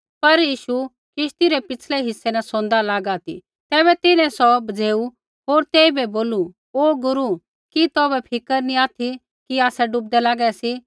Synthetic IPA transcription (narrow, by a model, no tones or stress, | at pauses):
pɐɾjiːʃu | kɪʃt̪iɾɛpɪt͡sʰlɛɦɪsːɛnɛsõːnd̪alaːɡaːt̪ḭ | t̪ɛːβɛt̪ɪnɛ̃sɔbɐd͡zeːu | ɦoːɾt̪eːibɛboːlu | oːɡʊɾu | kit̪ɔːbɛpʰɪkəɾnĩaːt̪ʰi | kiaːsɛɖʊp̚d̪ɛlaːɡɛsi